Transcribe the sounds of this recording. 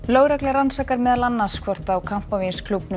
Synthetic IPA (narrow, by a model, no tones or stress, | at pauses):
loːwɾaklɪaɾansaːkaɾmɛðalanːaskʰvɔr̥t̪aːwkʰam̥pavinskʰlupn